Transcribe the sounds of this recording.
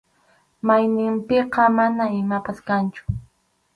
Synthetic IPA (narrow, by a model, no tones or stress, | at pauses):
majnɪmpɪqɑmanaɪmapaskant͡ʃʊ̥